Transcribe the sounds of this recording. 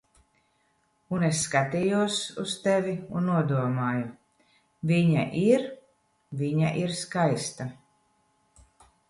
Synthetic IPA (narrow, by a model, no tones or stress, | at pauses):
unesːkat̪ijuɔsust̪ɛvʲiunːuɔd̪uɔmaːju | vʲiɲa̰ʔiɾ | viɲaʔiɾskajst̪a